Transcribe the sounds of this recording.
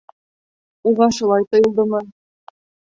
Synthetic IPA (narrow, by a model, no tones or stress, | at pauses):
uʁɑʃŏlˠɑjt̪ɤ̆jɤ̆lˠd̪ɤmɤ